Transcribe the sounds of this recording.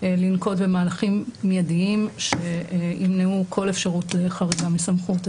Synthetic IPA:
linko̞dbe̞maːlaχimːjadiimʃeimneukʰo̞le̞fʃaʁutle̞χaʁiɡamisamχut

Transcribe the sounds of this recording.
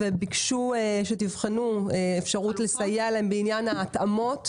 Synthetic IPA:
vebikʃueʃetivχenueefʃaʁutlesajealaembeinjanaːtamo̞t

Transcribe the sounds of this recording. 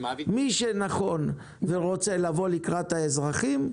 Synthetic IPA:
miʃenaχo̞n | veʁo̞t͡se̞lavo̞likʁat̪haezʁaχim

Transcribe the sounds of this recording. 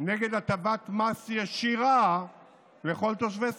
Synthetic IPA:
neɡed̪at̪abat̪masiaʃiʁa | leχo̞lt̪oʃ̬ves

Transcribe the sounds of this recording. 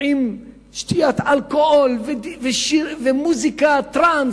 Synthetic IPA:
im | ʃt̪ijat̪alkoholvveʃivemuzikat̪ɾans

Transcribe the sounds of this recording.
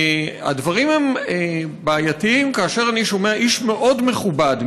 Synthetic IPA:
a̰dvaʁime̞m | baːjatiimkaːʃeʁaniʃo̞meaʔiʃme̞ʔo̞dme̞χubad

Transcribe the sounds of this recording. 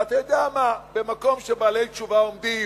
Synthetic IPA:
atedamabemakomʃɛbalejt͡ʃuvaomdi

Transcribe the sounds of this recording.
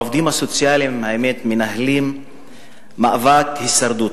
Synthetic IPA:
ovd̪imasot͡sjalimhaemet̪menahlimː | aʔvat̪hisaɾd̪u

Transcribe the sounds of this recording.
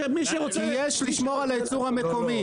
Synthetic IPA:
miʃeʁot͡sijeʃliʃmo̞ʁalaet͡suʁame̞ko̞mi

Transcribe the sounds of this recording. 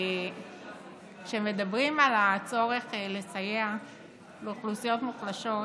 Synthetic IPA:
kʃemedabʁimalat͡so̞ʁeχle̞sajea | beuχlusijo̞t̪muχlaʃo̞

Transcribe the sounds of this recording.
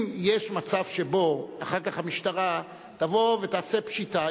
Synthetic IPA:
mjeʃmat͡savʃe̞bo̞aχaʁkaχhamiʃtaʁa | t̪avo̞vetaːse̞pʃita

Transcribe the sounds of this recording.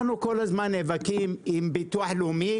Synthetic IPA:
nukolazmanevakimimbit̪uaħlumi

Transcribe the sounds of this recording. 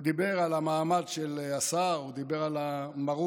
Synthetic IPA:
d̪ibe̞ʁalamaːmadʃelasaʁud̪ibeʁalamaʁu

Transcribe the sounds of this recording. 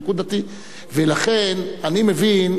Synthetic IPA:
kud̪at̪i | velaχenanimevin

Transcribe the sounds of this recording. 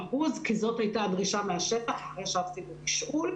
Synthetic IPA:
ahuzkizo̞thajtadʁiʃameaʃetaχaχaʁejʃavt̪ibekiʃʔul

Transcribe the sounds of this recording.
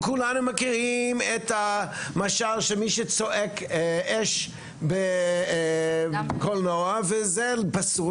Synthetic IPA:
kulanumakiʁimet̪hamaʃaʁʃemiʃet͡soʔekʔeʃ | be | kolnoavezepasu

